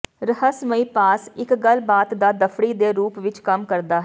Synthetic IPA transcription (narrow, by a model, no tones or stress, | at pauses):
ɾəhəsməiːpaːsɪkɡəlbaːt̪d̪aːd̪əpʰɽiːd̪eːɾuːpʋɪt͡ʃkəmkəɾd̪aːɦ